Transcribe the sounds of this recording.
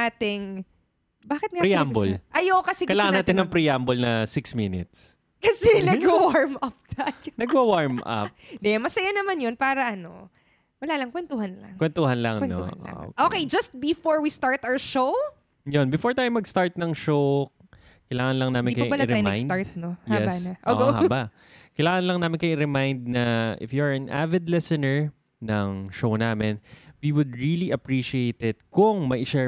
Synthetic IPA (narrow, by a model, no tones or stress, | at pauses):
aːt̪ɪŋ | baːkɪt̪napɾiambo̰lʔɐjokɐsɛkɐjlaːŋɐnaːt̪ɪnɐŋpɾiambolnɐsɪksminɪ̰t̪s | kɐsɛnɐɡɐwaɹmʔɐp̚d̪anɐɡwɐwaɹmʔɐ̰p̚d̪ɛmɐsɐjanɐmanjonpaːɾɐʔɐno̰ | wɐlaːlɐŋkwɛnt̪uhanlɐ̰ŋkwɛnt̪uhɐnlɐŋwɛno̰hɐ̰o̰kʔokejd͡ʒɐst̪̚bɪfoɹwist̪aɹt̪awʃow | jonbɪfoɹt̪ajmːɐɡst̪aɹt̪̚nɐŋʃow | kɐjlaːŋɐnlɐŋnaːmɪnkɐjbɐlaɾamanaɹt̪nohjɛbsanɐʔo̰ʔoha̰baʔ | kɐjlaːŋɐnlɐŋnaːmɪnkɐjuɾɛmajnd̪̚nɐʔɪ̰fjuɹɐnʔa̰vɛd̪lɛsɛnɛɹ | nɐŋʃownaːmɪnwiwʊd̪̚ɹiliʔɐpɹiʃiejt̪ɪt̪̚kʊŋmɐʔɪʃɛ